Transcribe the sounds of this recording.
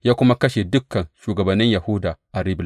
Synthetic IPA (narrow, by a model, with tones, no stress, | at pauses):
jaː˦kʷʊ˦ma˦kɐ˦ʃe˨dʊ˦kːɐ˨nʃuː˨ɡɐ˨bɐ˨nːɪ˦ɲja˨hʊ˦daː˨ʔa˨ɾi˦bl